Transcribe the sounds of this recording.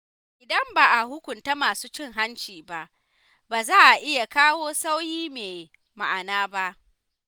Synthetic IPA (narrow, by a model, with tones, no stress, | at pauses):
ʔʔɪ˨dɐ˦mbaː˨ʔa˨hʊ˦kʷʊ˨nta˦maː˨suː˦t͡ʃɪ˦ŋɦa˦nt͡ʃiː˨ba˨ʔ | baː˨zaː˦ʔa˨ʔɪ˦ja˨kaː˦woː˦sa˦wjiː˦meː˨ | ma̰˨ʔa˨naː˦ba˦ʔ